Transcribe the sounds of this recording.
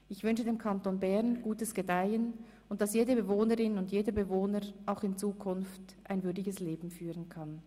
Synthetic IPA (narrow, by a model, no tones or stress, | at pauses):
ʔɪçv̥ʏnʃədeːmkʰantonbɛʁnɡ̥uːtəsɡ̥edaɪən | ʊnt̚d̥ɑsjeːdəbəvoːnəʁɪnʊndjeːdəbəvoːnəʁʔaʊxɪnt͡suːkʰʊnft | ʔaɪnvʏɐdɪɡəsleːbm̩fyːʁənkʰan